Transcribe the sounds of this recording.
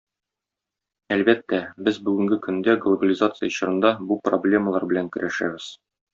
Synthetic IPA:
ælbæt̪ːæbɘzbʉɡɘ̆ŋɡɘkɵ̆nd̪æɡlˠobəlʲizat̪sɨjə̆ɕɤ̆ɾɤ̆nd̪ɑbuproblʲe̞məlˠɑ̰ɾbɘ̆læŋkɵ̆ɾʔæʃæ̰bɘz̥

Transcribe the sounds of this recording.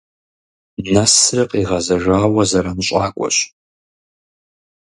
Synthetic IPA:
nɐsrɨqʼiʁɐzɐʒʷaːwɐzɐɾamɕʼaːkʷʼɔ̰ɕ

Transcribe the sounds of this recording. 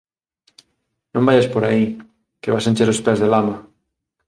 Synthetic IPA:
nõmbajaspoɾai | keβasent͡ʃeɾʊspɛzðelamɐ

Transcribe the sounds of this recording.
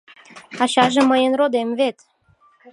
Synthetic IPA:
ɑɕɑʒĕməjənrod̪emvet̪

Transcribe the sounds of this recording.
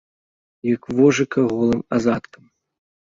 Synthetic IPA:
jɐkvɔʐɨkɐɣɔlˠɨmazat̪kʰɐm

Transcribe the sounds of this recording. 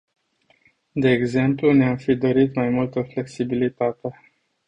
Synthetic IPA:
d̪e̞ːɡze̞mpluneamfid̪oɾit̪majmult̪əfle̞ksibilit̪at̪e

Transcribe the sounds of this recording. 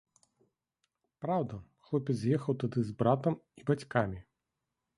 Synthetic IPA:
pɾawd̪ɐxlˠɔpʲɛd̪zʲjɛxɐwt̪ad̪ɨzbɾat̪ɐmibat͡sʲkamʲi

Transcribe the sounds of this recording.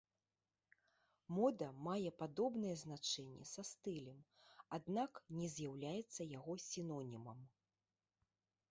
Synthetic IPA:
mɔd̪ɐmajɛpad̪ɔbnɐjɛznat͡ʂɛnʲːɛ̰sast̪ɨlʲɛmad̪naknʲɛzʲjawlʲajɛt̪sːɐjaɣɔsʲinɔnʲimɐm

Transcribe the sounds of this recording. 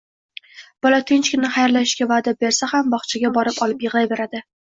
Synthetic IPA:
b̥ɒlat̪ʰɪnt͡ʃkʲɪnɪχajɾlaʃɪʃkʲavad̪abe̞ɾsahambɒχt͡ʃʰaɡʲabɒɾɪpɒlɪpjɨʁlˠajbe̞ɾad̪ɪ

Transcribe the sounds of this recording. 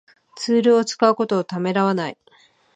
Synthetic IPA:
t͡sɨːɾɯ̟o̞t͡sɨ̥kaɯ̟ko̞t̪o̞ːt̪ame̞ɾaβanai

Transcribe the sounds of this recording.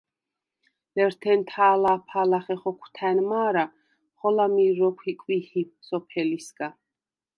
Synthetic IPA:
lɛɾt̪ʰɛnt̪ʰaːlapʰalaχɛχɔkʷʰt̪ʰɛnmaːɾa | χɔlamiɾɔkʷʰikʼwihip̚sɔpʰɛlisɡa

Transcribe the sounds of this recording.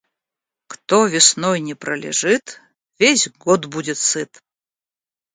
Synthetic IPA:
kt̪ɔvʲɪsnɔjnʲɛprɐlʲɛ̰ʐɨt̪ | vʲesʲɡɔd̪budʲɛt̪sɨt̪

